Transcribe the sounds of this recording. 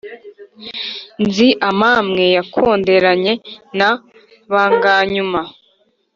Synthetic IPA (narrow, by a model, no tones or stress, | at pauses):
nziʔamamŋe̞jakʰo̞ːnde̞ɾaɲe̞na | βaŋɡaːɲuma